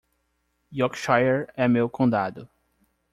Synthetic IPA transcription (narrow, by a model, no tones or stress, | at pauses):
jɔkʃajeɾɛmewkõd̪ad̪ʊ